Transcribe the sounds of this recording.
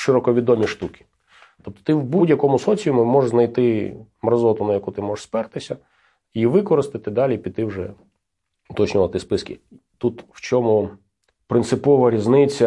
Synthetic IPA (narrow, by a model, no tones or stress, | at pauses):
ʃɪɾɔkɔʋʲid̪ɔmʲiʃt̪ukʲi̥ | t̪ɔp̚t̪ɔ̥t̪ɪwbudʲjɐkɔmʊsɔt͡sʲijʊmʊmɔʒznɐjt̪ɪ | mrɐzɔt̪ʊnɐjɐkut̪ɪmɔʒespɛrt̪ɪsʲɐ | iʋɪkɔɾɪst̪ɪt̪ɪd̪ɑlʲipʲit̪ːɪwʐɛ | ʊt̪ɔt͡ʃnʲʊʋɐt̪ɪspɪskʲɪ̰ | t̪ut̪wt͡ʃɔmʊ | pɾɪnt̪sɪpɔʋɐɾʲiznɪt͡sʲːɐ